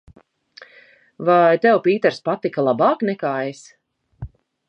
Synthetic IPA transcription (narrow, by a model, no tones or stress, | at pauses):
vajt̪ɛwpiːt̪ɛɾspat̪ikalˠabaːknɛkaːes